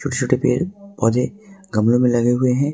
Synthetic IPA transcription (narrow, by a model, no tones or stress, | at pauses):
t͡ʃʰoːʈʰet͡ʃʰoːʈepḛːɾpɔːd̪eɡɐmlõmẽlɐɡeɦʊeɦɛ̃ː